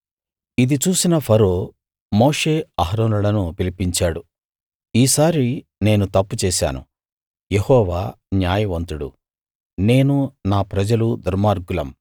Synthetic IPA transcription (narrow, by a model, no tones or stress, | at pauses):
id̪it͡ʃuːsinɐpʰɐɾoː | moːʂe̞ːɐɦɾoːnuɽɐnupilipiɲt͡ʃaːɽu | iːsaːɾi | ne̞ːnut̪ɐpːut͡ʃɛːʃa̰ːnṵ | jehɔːʋaː | njaːjɐʋɐnt̪uɽṵ | ne̞ːnunaːpɾɐd͡ʒɐlud̪uɾmaːɾɡulɐ̰m